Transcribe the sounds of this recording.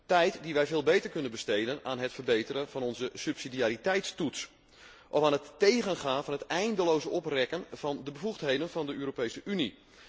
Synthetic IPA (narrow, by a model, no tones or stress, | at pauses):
tɛjtdiʋɛjvɪːlˠbejtəɹkɵnənbəstejdənaːnɦətfərbejtəɾənv̥ɑnɔnzəsypsidiaːɾitɛjtstuts | ʔɔfaːnɦətːejɣənχaːnvɑnɦətɛjndəlowzəɔprɛkənv̥ɑndəbəvuxtɦejdənvɑndəøːɾopejsəʔyni